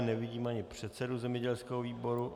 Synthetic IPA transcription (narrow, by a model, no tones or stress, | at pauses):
nɛvɪɟiːmaɲɪpr̝̥ɛt̪sɛduzɛmɲɛɟɛlskɛɦoviːboɾu